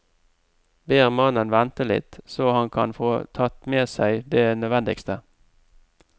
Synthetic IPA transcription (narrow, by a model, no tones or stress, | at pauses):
beːʁmɑnənʋɛnt̪əlɪ̰t̪soːhɑnkʰɑ̰nfoːt̪ʰɑt̪meːsæɪd̪eːnœʋɛnd̪ɪ̰kst̪ə